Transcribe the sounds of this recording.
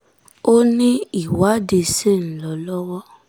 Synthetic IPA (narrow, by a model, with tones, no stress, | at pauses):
o˦nĩ˦i˦˨wa˨˦de˧˨se˦˨n̩˨˦lɔ˨˦lɔ˦wɔ˦